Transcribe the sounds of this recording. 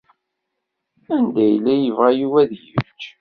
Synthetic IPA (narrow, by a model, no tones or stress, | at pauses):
ænd̪æjlːæjəvʁæjuvæðjət͡ʃː